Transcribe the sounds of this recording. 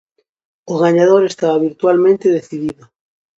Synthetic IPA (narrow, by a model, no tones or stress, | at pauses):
oɣ̞aɲaðoɾest̪aβaβiɾt̪walmẽnt̪eðeθiðiðo